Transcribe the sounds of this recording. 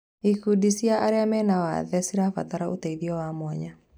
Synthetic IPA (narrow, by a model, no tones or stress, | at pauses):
ikudisiaʔaɾɛamɛnawa̰ðɛsiɾafa̰t̪aɾaʔut̪ɛiðiɔwamwaɲa